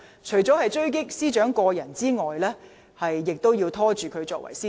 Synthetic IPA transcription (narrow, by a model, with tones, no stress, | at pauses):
t͡ʃʰɵ˨˩ɥt͡sɔː˨˥hɐ˨jt͡ʃɵ˥ɥk̬ɪ˥k̚siː˥t͡ʃœː˨˥ŋkɔː˧jɐ˨˩nt͡siː˥ŋɔː˨jlɛː˥ | hɐ˨jːɪ˨k̚t̪o˥wjiː˧wt̪ʰɔː˥t͡ʃyː˨kʰɵ˨˧t͡sɔː˧k̚wʔɐ̰˨˩jsiː˥